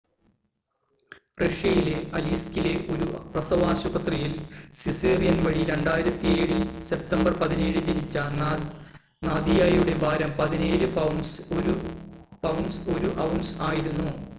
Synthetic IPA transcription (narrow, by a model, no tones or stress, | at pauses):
reʂjɐjileʔɐliːskileʔo̞ɾuprɐsɐʋaːɕubɐt̪rijilsisiːrijɐnʋɐɻiɾe̞ɳɖaːjiɾɐt̪ːije̞ːɻilse̞p̚t̪ɐmbɐrpɐðineːɻɨd͡ʑinit͡ɕːɐ | naːd̪ijaːjuɽe̞bʱaːɾɐmpɐðine̞ːɾɨpɐwɳsoɾupɐwnso̞ɾuʔɐwɳsaːjiɾunːu